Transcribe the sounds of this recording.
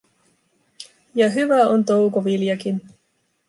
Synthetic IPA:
jɑɦyʋæont̪o̞wkoʋiljɑkin

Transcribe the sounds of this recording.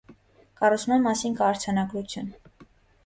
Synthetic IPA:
kɑrut͡sʰmɑnmːɑsinkɑːɾt͡sʰɑnɑɡɾut͡sʰjun

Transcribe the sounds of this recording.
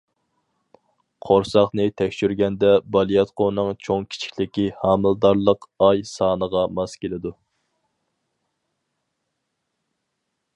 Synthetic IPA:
qʰoɾsɑχnɨt̪ʰɛkʲʃyɾɡʲɛnd̪ɛbɑlˠijɑt̪qonɨŋt͡ʃʰoŋkʲʰi̥t͡ʃʰi̥kʲlɪkʲihɑːmɨlˠd̪ɑɾlˠəqɑjsɑːnəʁɑmɑskʲelɪd̪u

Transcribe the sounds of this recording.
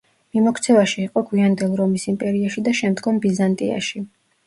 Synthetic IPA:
mimɔkʰt̪sʰɛvaʃiːqʼɔɡwiand̪ɛlˠɾɔmisimpʼɛɾiaʃid̪aʃɛmd̪ɡɔmbizant̪ʼḭa̰ʃi

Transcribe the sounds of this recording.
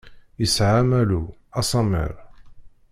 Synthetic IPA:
jəsʕamæluɑsˤɑmə̰ɾ

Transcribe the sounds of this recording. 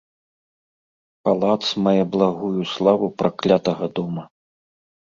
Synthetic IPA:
palˠat̪smajablˠaɣujuslˠavupɾʔaklʲat̪ɐɣɐd̪ɔmɐ

